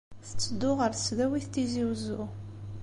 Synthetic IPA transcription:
θə̥t͡sːəd̪ːʊʁəɾθəsðæwiθt̪ːiziwzʊ

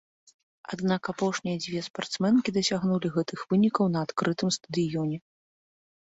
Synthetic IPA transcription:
a̰d̪nakapɔʂnʲijɐd͡zʲvʲɛspart̪smɛnkʲid̪ɐsʲaɣnulʲiɣɛt̪ɨxvɨnʲikɐwnɐːt̪kɾɨt̪ɨmst̪ɐd̪ɨjɔnʲɛ

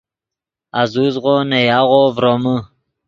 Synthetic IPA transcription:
azuzʁonajɑːʁovɾomə

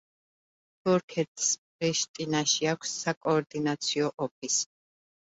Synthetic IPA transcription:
t̪ʰuɾkʰɛt̪ʰʼspɾiʃt̪ʼinaʃiakʷʰsːakʼɔːɾd̪inat̪sʰiɔʔɔp̚ʰis

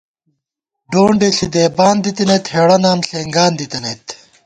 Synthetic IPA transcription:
ɖoːɳɖeɬid̪eːbaːnd̪it̪inet̪heːɽɐnaːmɬeːŋɡaːnd̪it̪ɐneːt̪

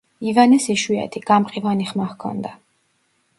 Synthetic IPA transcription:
ivanɛsiʃwiɛ̰t̪ʰiɡ̥amqʼivaniχmahkʰɔ̰nd̪a

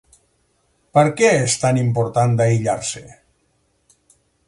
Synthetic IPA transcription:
pəɾkɛest̪animpoɾt̪and̪aiʎaɾsḛ

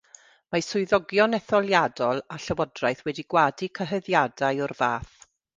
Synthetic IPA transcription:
masʊɨðɔɡjɔnɛθɔlˠjadɔlˠaɬəwɔdrajθwɛdiɡwaːdikʰəɦəðjadajɔrvaːθ

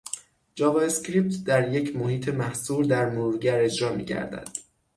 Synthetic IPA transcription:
d͡ʒɒːvɒːescɾiːp̚t̪ʰd̪æɾje̞cʰmohiːt̪ʰe̞mæhsuːɾd̪æɾnuːɾɟæɾe̞d͡ʒɾɒːmḭːɟæ̰ɾd̪æ̰d̪̥

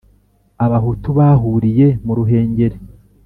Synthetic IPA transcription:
aβahutuβaːɦuɾije̞muɾuɦe̞ːɲɟe̞ɾe

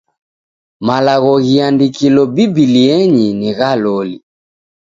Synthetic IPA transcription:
malaɣɔɣiandikilɔbibiliɛɲiniɣalɔli

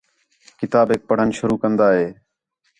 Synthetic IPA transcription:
kɪt̪aːbɦeːk̚pəɽ̤ənʃʊɾuːkənd̪aːɦeː

